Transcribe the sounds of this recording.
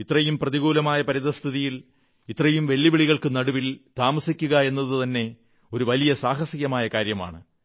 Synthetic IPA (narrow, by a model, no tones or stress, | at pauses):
it̪rɐjumprɐðiɣuːlɐmaːjɐpɐɾiðɐst̪ʰiðijil | it̪rɐjumʋe̞lːiʋiɭiɣɐɭkɨnɐɽuʋilt̪aːmɐsikʲːuɣɐe̞nːɐðɨt̪ɐnːe̞ | oɾuʋɐlijɐsaːɦɐsiɣjɐmaːjɐkaːɾjɐma̰ːɳɨ